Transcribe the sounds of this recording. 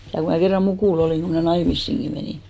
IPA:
jɑ ku mæ kerːɑ mukuˑl oliˑŋ ku mnæˑ nɑimisːiŋki meniˑ

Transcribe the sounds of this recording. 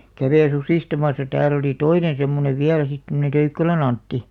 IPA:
kɑˑʋeĭ susiˑstɑmɑsɑ tæːl oli toinen̞ semːoneʋ ʋiæl sit tomŏne tøykːælæn ɑntːi

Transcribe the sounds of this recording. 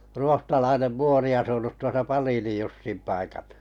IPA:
ruohtɑlɑinem muori ɑsunut tuosɑ ʔpɑliːnij jusːim pɑikɑl

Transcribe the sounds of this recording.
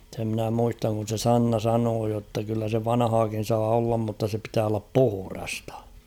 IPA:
se mnæ muistɑŋ kun̞ se sɑnːɑ sɑnoː jotːɑ kylːæ se ʋɑnɑ̆hɑːkin̞ sɑː olːɑm mutːɑ se pitæː olːɑp puhŭrɑstɑ̥

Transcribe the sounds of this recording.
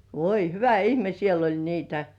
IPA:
ʋoi hyʋæ ihme siel olʲ niːtæ

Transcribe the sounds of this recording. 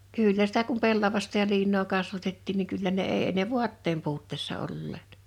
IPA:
kyˑlːæ sitæ kum pelːɑʋɑstɑ jɑ liːnːoː kɑsʋɑtetːiːn niŋ kylːæ ne eˑi e ne ʋu̞ɑtːeːm puːtːeːsːɑ olːeːt

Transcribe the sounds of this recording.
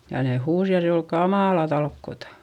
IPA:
jɑ ne huːs jɑ se ol kɑmɑˑlɑ tɑlkːotɑ

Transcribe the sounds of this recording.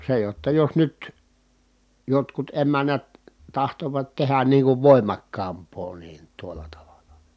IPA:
se jotːɑ jos nyt jotkut emænːæt tɑhtoʋɑt tehæn niːŋ kuʋ ʋoˑimɑkːɑːmpˑoː niːn tuolˑɑ tɑʋɑlɑ̥

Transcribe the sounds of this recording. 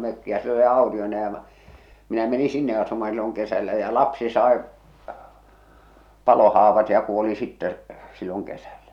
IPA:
møkːi jɑ se oli ɑotionɑ jɑ mɑ̆ minæ meni sinːe ɑsumɑ silːoŋ kesælːæ jæ lɑpsi sɑˑe pɑlohɑːʋɑt jɑ kuoli sitːɛ silːoŋ kesælːæ

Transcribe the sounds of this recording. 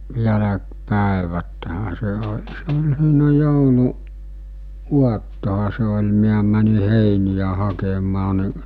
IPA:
jælækpæˑeʋæthæ se o se olʲ siːnæ joulu uɑtːohɑ se olʲ miæ mæni heˑinijæ hɑkemɑː ni

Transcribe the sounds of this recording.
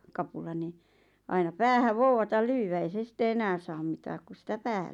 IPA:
kɑpulɑ ni ɑinɑ pæːhæʋ̆ ʋouwɑtɑl lyːwæ ei se sitːe enæːn̞ sɑːm mitæːk ku sitæ pæːhæ̥l̥

